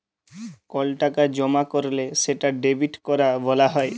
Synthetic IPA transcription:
kɔlʈakad͡ʑɔmakoɾleseʈaɖebʱiʈkɔɾabɔlaɦɔe

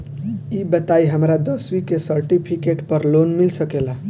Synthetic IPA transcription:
ibət̪aiɦəmɾad̪əsʋikesəɾʈipʰikeʈpəɾlonmilsəkela

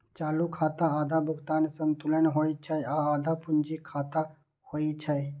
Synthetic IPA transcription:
t͡ʃaːlukʰaːt̪aaːd̪ʱabʱʊɡt̪aːnsənt̪ulənɦoit͡ʃʰəjaaːd̪ʱapʊnd͡ʒikʰaːt̪a | hoit͡ʃʰaj

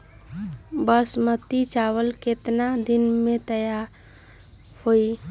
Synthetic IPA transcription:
bəsmət̪it͡ʃawəlket̪nad̪inmet̪əjaɾ | hoi

